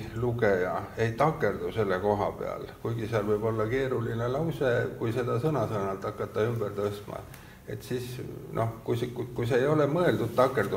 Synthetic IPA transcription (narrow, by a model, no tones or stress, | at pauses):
luɡejɑe̞jt̪ɑkːˑe̞rd̪̥use̞lːeko̞ɦɑ̰pe̞̰ɑ̰lkujɡ̥iseɑlvɤjb̥o̞lːɑke̞ːɾulinelɑwsekujse̞d̪ɑsɤnɑsɤːnɑlt̪ːˑɑkːˑɑt̪ːɑymb̥ert̪ɤst̪mɑ̰ | e̞̰t̪siːsnʔo̞hkujskkujseeːjo̞lemɤe̞ld̪ud̪̥̚t̪ːɑkːˑe̞rd̪u